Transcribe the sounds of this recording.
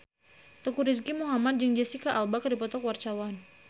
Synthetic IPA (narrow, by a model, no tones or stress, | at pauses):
t̪əkuɾis̬ɡimuɦamat̪̚d͡ʒəŋd͡ʒɛsikaʔalbakadipɔt̪ɔkwart͡ʃawan